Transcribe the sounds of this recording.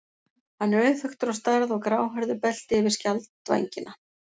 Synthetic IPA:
hanːɛɾœːɥθʏxt̪ʏɾawst̪aɾðɔɣkɾaːwɦœɾðʏpɛl̥t̪ɪɛvɪɾ̥scalt̪va̰jɲcɪnʔa

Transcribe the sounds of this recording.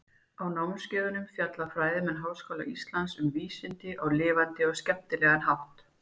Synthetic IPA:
awnawnscɛːðʏnʏmfjat̪lafɾaːjðɪmɛnɦaːwskowla̰ʔist̪lansʏmviːsɪnt̪ɪʔawlɪːvant̪ɪɔɣscɛp̚t̪ɪlɛːɣanɦawht̪

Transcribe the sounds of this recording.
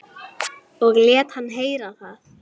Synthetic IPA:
ɔɣljɛːt̪hanːɦeːjɾaθaθ

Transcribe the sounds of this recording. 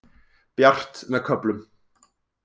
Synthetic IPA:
b̥jar̥t̪nɛkʰœplɵm

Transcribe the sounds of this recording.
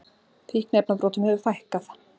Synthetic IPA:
θiknejp̚napɾoːwt̪ʏmhɛvʏfajhkaθ

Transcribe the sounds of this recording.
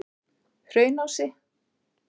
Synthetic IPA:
hrœːɥnawsɪ

